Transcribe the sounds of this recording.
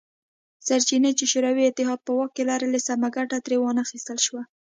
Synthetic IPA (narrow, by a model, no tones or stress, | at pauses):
saɾt͡ʃinat͡ʃeʃoɾawiɪt̪ːɪɦɑd̪̚pəwakkːelɑɾelasamaɡaʈat̪ɾewɑnaxist̪əlʃwa